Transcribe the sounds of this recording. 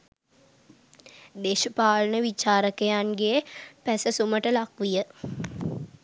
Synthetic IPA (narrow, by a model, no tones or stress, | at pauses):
d̪eːʃəpaːlənəʋit͡ʃaːɾəkəjanɡepæsəsuməʈəlakʋijə